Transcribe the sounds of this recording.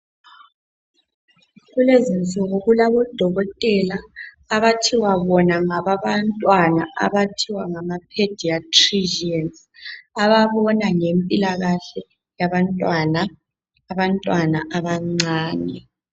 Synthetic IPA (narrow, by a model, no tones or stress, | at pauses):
ɣulezint͡sʼɔɣɔɣulaβɔd̥ʱɔɣɔtʼɛlaː | βatʰiwaβɔnaŋaβaβantʼwanaa̰βatʰiwaŋamapʰed̥ʱiatʰriʒɛns | aβaβɔnaŋempʼilaɣaɬɛ | jaβantʼwanaː | βantʼwanaʔaβaŋ͡ǀaːnɛ